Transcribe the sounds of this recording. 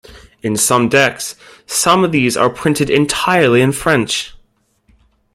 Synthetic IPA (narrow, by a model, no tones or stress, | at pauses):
ɨ̃nsʌ̃mdɛksːʌ̃mʌvðiːzə̰˞pʰɹ̥ɪ̃ntɨɾɪ̃ntʰaɪə˞lˠiɨ̃nfɹɛ̃nt͡ʃ